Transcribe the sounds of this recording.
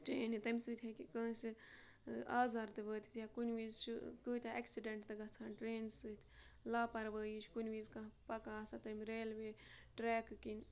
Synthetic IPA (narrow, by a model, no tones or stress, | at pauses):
ʈɾeːnit̪ɐmʲsɨt̪ʰʲhɐkikə̃ːsi | aːzaːɾt̪ɨʋəːt̪i̥t̪ʲjakunʲʋiːzt͡ʃʰikɨːt̪ʲaɐksiɖeɳʈt̪ɨɡɐt͡sʰaːnʈɾeːnsɨt̪ʰʲ | laːpɐɾʋəːjiːt͡ʃʰkunʲʋiːzkɐ̃ɦpɐkaːsat̪ɐmʲɾeːlʋe | ʈɾɛːkkin